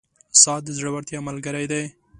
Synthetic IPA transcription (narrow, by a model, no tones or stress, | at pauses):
sɑt̪̚d̪əzɽəwaɾt̪jɑmalɡaɾajd̪aj